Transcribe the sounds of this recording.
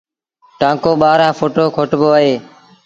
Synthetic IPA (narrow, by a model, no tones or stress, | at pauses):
ʈãːkoːɓaːɾãːfʰoːʈoːkʰoːʈboːaɦeː